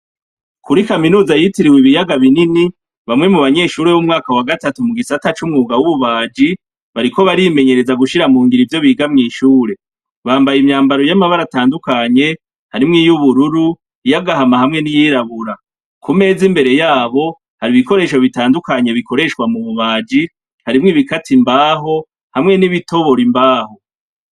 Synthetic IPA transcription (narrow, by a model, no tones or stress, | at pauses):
kʰuɾikaminuːzajitiɾiwiβijaɡaβinini | βamŋe̞muβaɲe̞ːʃuːɾe̞βumŋaːkawaɡatatumuɡisatat͡ʃumŋuːɡawuβuβaːd͡ʒi | βaɾikʰo̞βaɾime̞ɲe̞ɾe̞zaɡuʃiɾamuːŋɡiɾivjo̞βiːɡamŋiːʃuːɾe̞ | βaːmbajimɲaːmbaɾo̞jamaβaɾataːndukaɲe̞ | haɾimŋijuβuɾuɾu | jaɡaɦamahamŋe̞nijiːɾaβuɾa | kʰume̞ːzimbe̞ɾe̞jaːβo̞ | haɾiβiko̞ɾe̞ːʃo̞βitaːndukaɲe̞βiko̞ɾe̞ʃkwamuβuβaːd͡ʒi | haɾimŋiβikatimbaːɦo̞ | hamŋe̞niβito̞βo̞ɾimbaːho̞